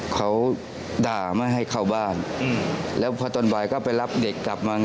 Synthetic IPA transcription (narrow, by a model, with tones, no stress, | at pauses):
kʰa˦˥w | daː˨˩maː˥˩jɦa˥˩jkʰa˥˩wbaː˥˩n˧ | lɛː˦˥wpʰɔː˧t̪o˧nbaː˨˩jkɔː˥˩pa˧jla˦˥p̚de˨˩kːla˨˩p̚maː˧ŋ